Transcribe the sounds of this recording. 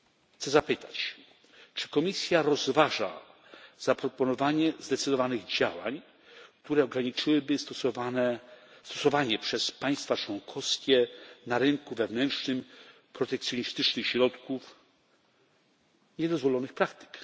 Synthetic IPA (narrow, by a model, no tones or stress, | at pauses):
xt̪sɛzapɘt̪at͡ɕ | t͡ʂɘ̥kɔmʲisʲjaɾɔzvaʐa̰ | z̥apɾɔpɔnɔvaɲɛzd̪ɛt̪sɨd̪ɔvanɘɣd͡ʑawa̰ɲ | kt̪uɾɛɔɡɾaɲit͡ʂɘwɘbɘt̪ɔanɛst̪ɔsɔvaɲɛpʂɛspaj̃st̪fat͡ʂwɔŋkʰɔfskʲɛnaɾɘŋkuvɛvnɛntʂnɘm | pɾɔt̪ɛk̚t̪sʲjɔɲist̪ɘt͡ʂnɘxɕɾɔt̪kuf | ɲɛd̪ɔzvɔlɔnɘxpɾakt̪ɘ̥k